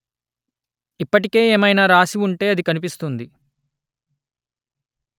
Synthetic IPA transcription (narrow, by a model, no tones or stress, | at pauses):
ipːɐʈike̞ːeːmɐjnaːɾaːsiuɳʈe̞ːɐd̪ikɐnip̬ist̪und̪i